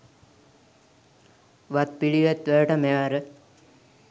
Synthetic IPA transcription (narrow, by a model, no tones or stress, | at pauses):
ʋat̪̚piɽiʋæt̪ʋæəʈəmeʋaɾə